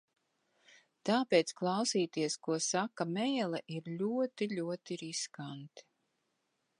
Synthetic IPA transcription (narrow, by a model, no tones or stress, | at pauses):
t̪aːpeːt̪sklˠawsiːt̪iɛskuɔsakɐmɛjlˠɛʔiɾlʲuɔt̪iʎʲuɔt̪iɾiskant̪i̥